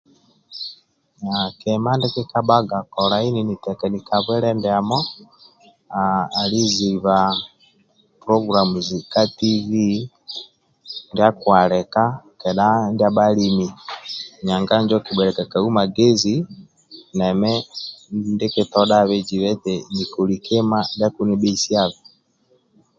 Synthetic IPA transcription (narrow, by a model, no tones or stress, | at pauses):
akɛmandɛkekaɓaɡakɔɾaininitɛkɛnikaβwɛɾɛndɛamɔ | aːliziβa | puɾɔɡuɾamuzikativi | ndiakwalɛkakɛɗandiaɓalimiɲaŋɡaɲd͡ʒɔkiɓɛɾɛkakaumaɡɛzi | nɛmɛ | ndɛkɛtɔɗaβɛd͡ʒiβɛtɛnikulikʰɛmandakuniɓɛisiaβɛ